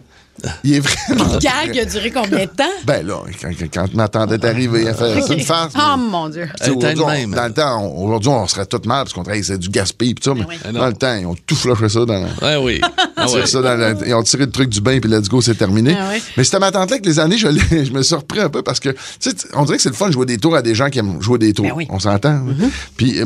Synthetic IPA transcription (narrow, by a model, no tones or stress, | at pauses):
iɛvʁɛmãɡaɡad̪yːʁekɔ̃bjɛ̃d̪̚ət̪ãbɛ̃lʌ̰kkã̰mat̪ɑ̃d̪ɛt̪aʁiveafɛsnfasmɔ̃d͡zjøi̥t͡seoʒʊʁziɛ̃md̪ãlət̪ãɔ̰̃oʒʊʁd̪zɥiɔ̃səʁɛt̪ʊt̪malpḁskɔ̃d̪iɛsɛd͡zyɡʲaspipi̥t̪sɔmɛd̪ãlət̪ãeɔ̃t̪uflɔʃɛs̬ɔd̪ɑ̃l̰ɛwiɔ̃siʁsɔd̪ãləḛɔ̃t͡s̪iʁelət̪ʁʏk̚d̪zybɛ̃pilad͡ziɡos̬et̪ɛʁminewmɛsi̥t̪ɛmat̪ɑ̃ːt̪lɛk̬lezaneʒəleʒəməsiʁəpʁiɛ̃ːpøpaʁsə̥kə | t͡seɔ̰̃d͡z̪ziʁɛkəsɛləfɔnd̪əʒwed̪eːt̪uːʁad̪eʒãkʲiɛmʒued̪eːt̪uːʁɔ̰̃sɑ̃t̪ãpi